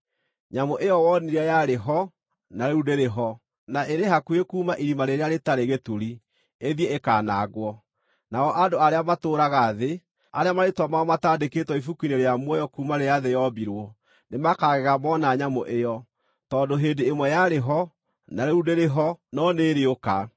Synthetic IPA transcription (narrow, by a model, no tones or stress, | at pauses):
ɲamoʔejɔwɔniɾajaɾeɦɔ | naɾeudeɾeɦɔ | naʔeɾeɦakuekuːmaʔiɾimaɾeɾeaɾetaɾeɣetuɾi | eðieekaːnaɣwɔ | naɔʔadoaɾeamatoːɾaɣaðe | aɾeamaɾetwamaɔmataːdeketwɔifukwineɾeamwɔjɔkuːmaɾejaðejɔbiɾwɔ | nemakaɣɛɣamɔnaɲamoʔejɔ | tɔdoɦeːdeːmwɛjaɾeɦɔ | naɾeudeɾeɦɔnɔneːɾeoka̰